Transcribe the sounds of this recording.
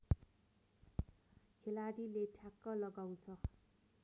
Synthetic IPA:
kʰelaɽileʈʰakːʌlʌɡaw̃t͡sʰʌ

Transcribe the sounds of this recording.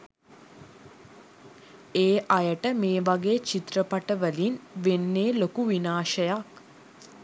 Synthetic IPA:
eːʔajəʈəmeːʋaɡeːt͡ʃit̪rəpaʈəʋəlinʋenːeːlokuʋinaːʃəjak

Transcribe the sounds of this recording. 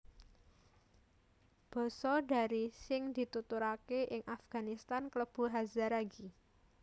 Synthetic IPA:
b̥ɔ̤sɔɖa̤ɾisɪŋd̪̥i̤t̪ut̪uɾakeʔɪŋʔafɡ̥a̤nist̪ankləb̥ṳɦazaɾaɡi

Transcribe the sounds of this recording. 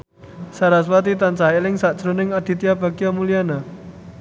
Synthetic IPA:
saɾaswat̪it̪ant͡ʃaɦelɪŋsaʔd̥ʒ̥ɾonɪŋad̪̥i̤t̪iab̥a̤ɡijamuliana

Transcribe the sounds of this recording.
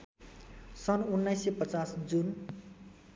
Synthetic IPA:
sʌnunːʌjsepʌt͡sasd͡zun

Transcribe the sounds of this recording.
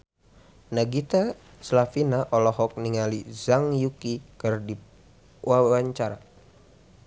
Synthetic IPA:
naɡit̪a | slafinaʔɔlɔɦɔk̚niŋalizaŋjukikɨrdi | wawaɲt͡ʃaɾa

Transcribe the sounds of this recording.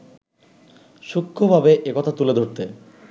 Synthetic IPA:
ʃukʰːobʱabeʔekɔt̪ʰat̪uled̪ʱoɾt̪e

